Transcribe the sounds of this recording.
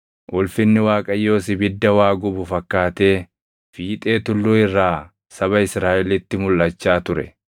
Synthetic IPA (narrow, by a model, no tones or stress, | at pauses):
ʔʊlfɪnːɪwaːkʼɐjːo̞ːsɪbɪd̪ːɐwaːɡʊbʊfɐkːaːt̪e̞ː | fiːt̪ʼe̞ːt̪ʊlːuːɪrːaː | sɐβɐɪsɾaːʔɛlɪt̪ːɪmʊlːɐt͡ʃːaːt̪ʊɾɛ̰